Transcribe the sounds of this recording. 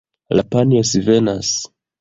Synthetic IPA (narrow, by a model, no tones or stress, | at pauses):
lapaniosivenas